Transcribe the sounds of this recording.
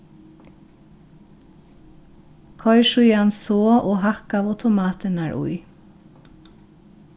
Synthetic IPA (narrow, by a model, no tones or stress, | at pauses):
kʰɔʏʃʊʏɑnsoːʔoːhɑkɑːʋɑʉt̪ʊmɑːt̪ʰənæːɹʔʊ̰ʏ